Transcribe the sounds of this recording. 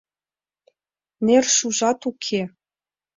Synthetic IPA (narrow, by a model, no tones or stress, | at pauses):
nerʃuʒɑt̪ukʰe